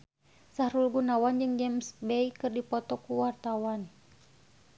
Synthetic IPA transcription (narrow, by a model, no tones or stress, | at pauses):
sahɾulɡunawand͡ʒɨŋɡɛmsbɛikɨrdipɔt̪ɔkuwart̪awan